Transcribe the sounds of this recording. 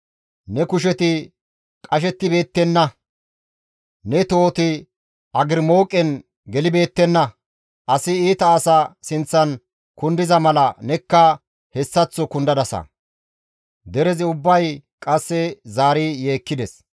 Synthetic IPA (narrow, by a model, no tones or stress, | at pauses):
nɛkʊʃ̬ɛt̪ɪ | kʼɐʃ̬ɛt̪ːɪbeːt̪ːɛnːɐ | nɛt̪o̞ːt̪ɪ | ʔɐɡɪɾmo̞ːkʼɛn | ɡɛlɪbe̞ːt̪ːɛnːɐ | ʔɐsɪiːt̪ɐːsɐsɪnt͡sːɐn | kʊnd̪ɪzɐmɐlɐnɛkːɐ | hɛsːɐt͡sːɔkʊnd̪ɐd̪ɐsɐ̰ | d̪ɛɾɛzɪʊbːɐjkʼɐsːɛzaːɾije̞ːkːɪd̪ɛs